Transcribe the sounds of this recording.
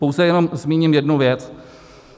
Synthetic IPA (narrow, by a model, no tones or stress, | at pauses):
powzɛjɛno̞mzmiːɲimjɛdnuvjɛt͡s